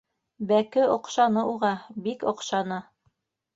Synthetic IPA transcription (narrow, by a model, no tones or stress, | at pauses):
bækɘʔŏqʃɑnɤʔuʁɑbikŏqʃɑnɤ